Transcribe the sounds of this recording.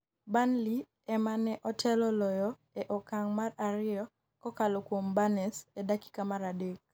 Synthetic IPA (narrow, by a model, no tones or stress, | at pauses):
banli | ɛmanɛʔɔtʰɛlɔlɔjɔ | ɛʔɔkaŋmaraɾɪɔ | kɔkalɔkwombanɛsɛdaki̥kamaɾadek̚